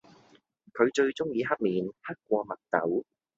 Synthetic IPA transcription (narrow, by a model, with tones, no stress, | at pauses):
kʰɵ˨˧ɥt͡ʃɵ˧ɥt͡sʊ˥ŋjiː˧ɦɐ˥k̚miː˨nhɐ˥k̚kːʷɔː˧mɐ˨t̚t̪ɐ̰˨˥w